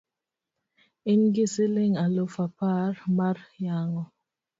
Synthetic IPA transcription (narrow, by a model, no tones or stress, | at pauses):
inɡisileŋalofapaɾmarjaːŋɔ